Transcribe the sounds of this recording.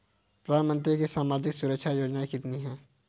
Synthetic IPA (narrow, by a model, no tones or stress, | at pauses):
pɾəd̪ʱaːnmə̃nt̪̬ɾikesaːmaːd͡ʒɪksʊɾəkʃʰajoːd͡ʒnaekɪt̪niɦɛ̃ː